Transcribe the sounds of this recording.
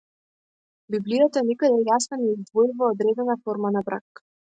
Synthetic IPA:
biblijat̪anɛkad̪ɛjasnɔnɛizd̪vɔjuvaɔd̪ɾɛd̪ɛnafɔɾmanabɾakː

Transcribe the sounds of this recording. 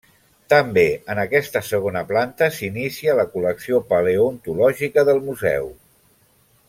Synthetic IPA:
t̪əmbeənəkɛst̪əsəɣ̞onəplant̪əsinisiələkuləksiopəleunt̪ulɔʒikəðəlˠmuzɛ̰w

